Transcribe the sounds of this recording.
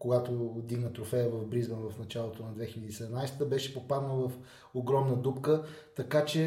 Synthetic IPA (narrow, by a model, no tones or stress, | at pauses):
koɡat̪od̪iɡnət̪ɾofɛjəvɐvbɾizbənvɐfnɐt͡ʃalˠot̪onɐd̪vɛxilʲəd̪iːsɛd̪ɛmnajsət̪əbɛʃɛ̥popad̪novɐf | oɡɾɔmnəd̪upkət̪ɐkat͡ʃɛ